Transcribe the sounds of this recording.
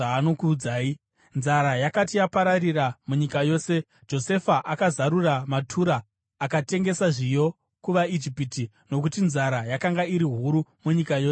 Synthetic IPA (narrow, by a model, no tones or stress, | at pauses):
aːno̞kuːd͡zaːi | nzaɾajakatijapaɾariramuɲikajo̞ːse̞ | d͡ʒo̞se̞faʔakazaɾuramatʰuɾaː | kate̞ŋɡe̞saʐijo̞ | kuʋaid͡ʒipiti | no̞k̬utinzaɾajakaŋɡaiɾiɦuɾumuɲikajo̞ːse